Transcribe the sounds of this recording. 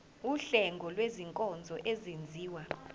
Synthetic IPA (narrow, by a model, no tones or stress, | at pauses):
uɬɛŋɡʱɔlweziŋkʼɔnd͡zʱɔʔezend͡zʱiːwa